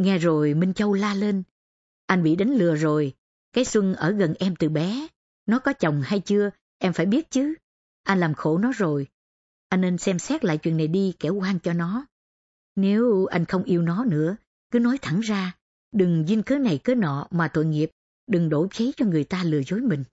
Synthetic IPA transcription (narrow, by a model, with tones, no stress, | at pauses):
ŋɛ˧zo˨˩jmï˧ŋ̟t͡ɕə˧wlaː˧le˧n | ʔa˧jŋ̟vḭ˧˨ɗa˨˦ŋ̟lɨ˨˩əzo˨˩j | kaː˨˦jswɨ˧ŋʔəː˧˩ɣə˨˩nʔɛ˧mt̪ɨ˨˩ɓɛ˨˦ | nɔ˨˦kɔ˨˦t͡ɕə˨˩wŋ͡mha˧jt͡ɕɨ˧ə | ʔɛ˧mfaː˧˩jɓi˦˥ət̚t͡ɕɨ˨˦ | ʔa˧jnlaː˨˩mxo˧˩nɔ˨˦zo˨˩j | ʔa˧jnːe˧nsɛ˧msɛ˦˥t̚la̰ː˧˨jt͡ɕwḭ˧˨ənːa˨˩jɗi˧kɛ˧˩wkwaː˧ŋt͡ɕɔ˧nɔ˨˦ | ne˨˦wʔa̰˧jŋ̟xə˧wŋ͡mʔi˧əwnɔ˨˦nɨ̰˧˥ə | kɨ˨˦nɔ˨˦jt̪ʰa˧˩ŋzaː˧ | ɗɨ˨˩ŋzi˧nkəː˨˦na˨˩jkəː˨˦nɔ̰˧˨maː˨˩t̪o̰˧˨jŋi˨˩əp̚ | ɗɨ˨˩ŋɗo˧˩t͡ɕi˨˦t͡ɕɔ˧ŋɨ˨˩əjt̪aː˧lɨ˨˩əzo˨˦jmï˨˩ŋ̟